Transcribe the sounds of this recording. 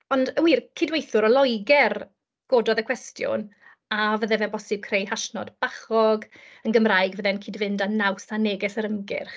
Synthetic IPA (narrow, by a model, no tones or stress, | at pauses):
ɔndəwiːrkʰɪdwejθʊɾɔlˠɔjɡɛr | ɡ̥oːdɔðəkʰwɛstʰjʊ̰n | avəðɛvɛlˠbɔsɨb̚kʰrejhaʃnɔ̰db̥aχɔɡənɡəmraɨɡvəðɛnkʰiːdvɪndanawsaneɡɛsəɾəmɡɪ̰rχ